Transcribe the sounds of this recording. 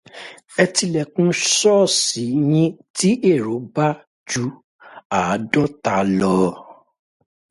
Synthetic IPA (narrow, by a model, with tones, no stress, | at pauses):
ɛ˧ti˧lɛ˨kũ˦sɔ˦si˨˦j̃ĩ˦ti˦ʔe˦˨ɾo˨˦ba˦ | d͡ʒu˨˦ | a˨˦dɔ˦ta˧˦lɔ˧